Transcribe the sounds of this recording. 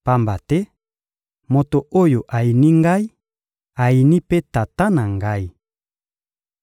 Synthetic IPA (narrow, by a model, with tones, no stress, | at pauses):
pa˦mba˨tɛ˦ | mo˨to˨o˦jo˨ʔa˨i˨ni˦ŋɡa˦i˦ | a˨i˨ni˦pe˦ta˨ta˦na˨ŋɡa˦i˦